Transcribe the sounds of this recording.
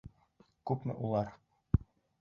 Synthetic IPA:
kʉpmɘ̰ʔulˠɑɾ

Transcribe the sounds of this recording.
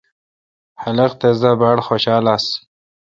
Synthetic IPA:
hɐlɐqt̪ezabaɽxoːɕaːlas

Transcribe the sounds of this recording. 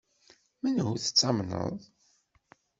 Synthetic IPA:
mænhuθə̥t͡sːɑmnə̰ðˤ

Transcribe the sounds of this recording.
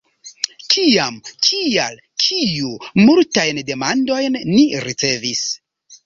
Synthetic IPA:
kʰiamkʰial | kʰijumultajnde̞mando̞jnːiɾit͡se̞vis

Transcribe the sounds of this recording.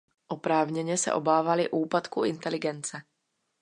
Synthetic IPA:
ʔopɾaːvɲɛɲɛsɛ̰ʔo̞baːvalɪʔuːpat̪kuʔɪnt̪ɛlɪɡɛnt͡sɛ

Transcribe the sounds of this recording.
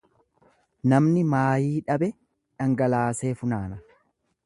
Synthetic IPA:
nɐmnɪmaːjiːᶑɐbɛ | ᶑɐŋɡɐlaːse̞ːfʊnaːnɐ

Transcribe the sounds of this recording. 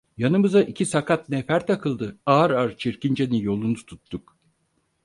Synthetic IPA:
janɯmɯzaʔicʰisakʰat̪nɛfæɾt̪ʰakʰɯlˠd̪ɯaɾaɾt͡ʃʰiɾcind͡ʒenijo̞lˠunut̪ʰut̪ːuk

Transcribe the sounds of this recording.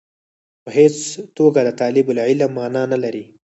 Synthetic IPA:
pəɦet͡st̪oɡad̪ət̪ɑlɪbʊlʕɪlamɑnɑnalaɾi

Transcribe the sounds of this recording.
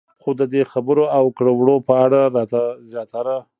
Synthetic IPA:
xod̪əd̪exabəɾoawkɽawɽopəaɽaɾɑt̪azjɑt̪aɾa

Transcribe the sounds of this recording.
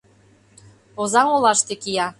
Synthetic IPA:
ozɑŋolˠɑʃt̪ekijɑ

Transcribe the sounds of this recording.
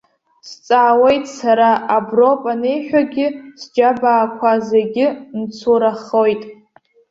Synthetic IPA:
st͡sʼaːwe̞jtʼsaɾaʔabro̞pʼanejħʷᶣaɡʲɪsd͡ʒabaːkʷʰazeɡʲɪnt͡sʰuɾaχojtʼ

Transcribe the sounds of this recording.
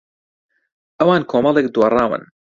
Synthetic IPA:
ʔɐwaːnkʰoːmɐlˠeːk̚d̪wɐrˤɑːwə̰n

